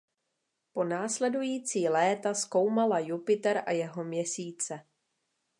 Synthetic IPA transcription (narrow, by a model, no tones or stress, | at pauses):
po̞naːslɛdujiːt͡siːlɛːt̪asko̞wmalajupɪt̪ɛɾʔajɛɦo̞mɲɛsiːt͡sɛ